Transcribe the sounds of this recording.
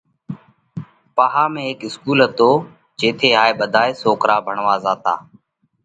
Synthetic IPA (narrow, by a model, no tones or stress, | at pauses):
paːɦaːmẽːɦeːkɪskuːlɦət̪oː | d͡ʒeːt̪ʰeːɦaːeːɓəd̪ʱaːeːsoːkɾaːbʱəɳʋaːzaːt̪a̰ː